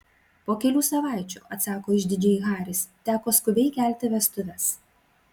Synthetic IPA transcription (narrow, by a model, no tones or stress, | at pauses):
poːkʲɛlʲuːsɐʋɑˑɪt͡ʃʲṵːʔɐt̪sɑːkoːɪʒʲd̪ʲɪd͡ʒʲɛːiɣɑːɾʲɪst̪ʲæːkoːskʊbʲɛɪkʲæˑlʲt̪ʲɪʋʲɛst̪ʊʋʲɛs